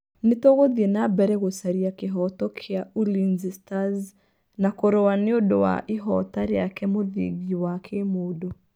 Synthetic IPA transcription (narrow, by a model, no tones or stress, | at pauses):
netoɣoðiɛnabɛɾɛɣosaɾiakeɦɔtɔkʰeaulinzistaz | nakoɾɔwaneodowa̰ʔiɦɔtaɾejakɛmoðḭɡiwakʰemodo